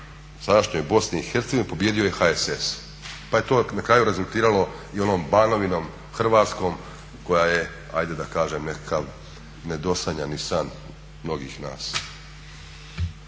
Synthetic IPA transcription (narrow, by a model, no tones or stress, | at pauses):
sad̪aʃɲojbo̞sneixeɾt̪eɡoʋinipo̞bjeːd̪ioje̞xaeses | paje̞t̪o̞ːnakɾaːjuɾezulˠt̪iːɾalo̞io̞no̞ːmbaːno̞ʋino̞m | xr̩ʋaːt̪sko̞ːm | ko̞jaːje̞ | ajd̪e̞d̪akaːʒemnekakaʋ | ned̪o̞saɲanisan | mno̞ɡḭːxna̰ːs